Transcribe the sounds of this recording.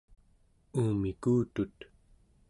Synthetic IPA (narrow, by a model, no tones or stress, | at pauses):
uːmikuːt̪ut̪